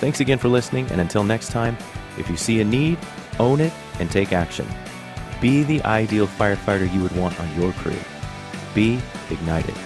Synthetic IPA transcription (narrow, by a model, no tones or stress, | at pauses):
θæ̃ŋksɨɡɛ̃nfə˞lɪsnɪ̃ŋɨ̰̃nɨ̃ntʰɪlˠnɛkstʰãɪ̃m | ʔɨ̰fjɨsiɨniɾ | õʊ̃nɪɾ | ɨ̃ntʰeɪkækʃɨ̰̃n | b̥iðiʔaɪdilˠfaɪə˞faɪɾə˞jɨwəd̚wɑ̃ntn̩jə˞kʰɹ̥ʉ̰ | b̥iɨɡ̚naɪɾɨ̰d̥